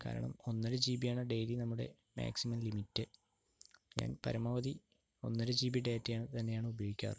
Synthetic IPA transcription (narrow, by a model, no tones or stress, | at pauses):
ka̰ːɾɐ̰ɳɐ̰mo̞nːɐɾed͡ʑiːbijaːɳɨɖe̞jlinɐmːuɽe̞̰ | ma̰ːksimɐmlimitːɨ | ɲa̰ːnpɐɾɐmɐʋɐd̪i | o̞̰nːɐɾed͡ʑiːbiɖeːtːjaːɳɨt̪ɐnːe̞jaːɳɨubɐjojikʲːa̰ːr